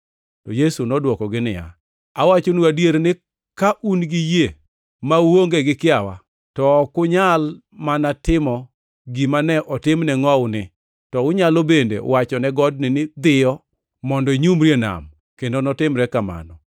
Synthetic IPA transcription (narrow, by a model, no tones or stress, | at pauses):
tɔjesunɔdwɔkɔɡɪnɪ̰ja̰ | awat͡ʃonuadjeɾnɪ | kaʔunɡɪje | mawoŋɡeɡɪkɪawa̰ | tɔkʊɲal | manatɪmɔ | ɡimanɛʔɔtɪmnɛŋɔʊnɪ | tɔʊɲalobendḛwat͡ʃɔnɛɡɔd̚nɪnɪd̪ɪjɔ | mɔndɔɲumɾjena̰m | kendonɔtɪmɾɛkama̰nɔ